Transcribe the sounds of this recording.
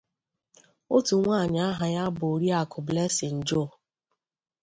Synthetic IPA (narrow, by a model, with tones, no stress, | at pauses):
o˦tu˨ŋʷaː˦˨ɲa˨a˦ɦa˨ɲa˦bʊ˨ɾi˦a˨kʊ˨ble˦sɪ˨n̩˨d͡ʒo˦˨